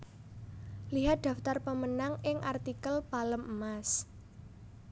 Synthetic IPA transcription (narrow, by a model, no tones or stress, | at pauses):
liɦat̪̚d̪̥ä̤ft̪arpəmənaŋɪŋʔart̪ikəlpaləmʔəmas